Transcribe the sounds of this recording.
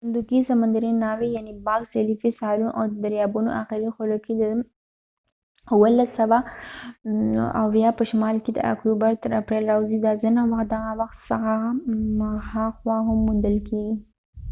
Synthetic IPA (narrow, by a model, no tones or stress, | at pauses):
nd̪ukisamand̪aɾinɑwijanibɑɡselifisɑɾunʔa̰wd̪əd̪aɾjɑbuno̰ʔaxɪɾixʊloked̪ə | wəlasːawa | a̰wjapəʃmɑlked̪ə̰a̰kubaɾt̪əɾapɾelɾawzid̪azinawaxt̪̚d̪aɣawaxt̪saɣa | haxwɑɦamːund̪əlkʰeɡi